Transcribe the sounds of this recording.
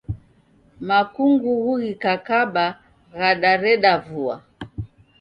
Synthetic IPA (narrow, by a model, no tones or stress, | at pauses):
makuŋɡuɣuɣikakaɓa | ɣaɗaɾɛɗavua̰